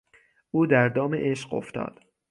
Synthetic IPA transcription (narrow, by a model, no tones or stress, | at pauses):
ʔuːd̪æɾd̪ɒːmḛʔeʃɢo̞̰ft̪ɒ̰ːd̪̥